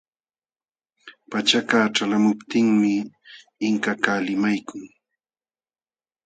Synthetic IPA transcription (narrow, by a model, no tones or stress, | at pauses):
pat͡ʃakaːʈ͡ʂalamʊpt̪ɪŋmɪː | ŋkakaːlɪmajkʊŋ